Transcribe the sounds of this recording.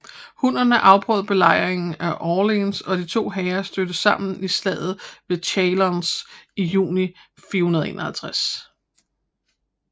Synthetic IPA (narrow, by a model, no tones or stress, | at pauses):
hunɐnəʔɑ̈ʊb̥ʰʁœðˠb̥e̝lɑ̈ɪʁeŋn̩æʔɒːlinsɒ̽d̥it͡sʰo̝̰ːɦɛːɐsd̥ød̥əsɑ̈m̰n̩isdlɛ̰ð̰ˠð̞̩ˠʋe̝t͡ɕʰɛɪlɒnsijṵːnifiːɐhunɐðˠe̝̰ːnɐhælt͡sʰʁas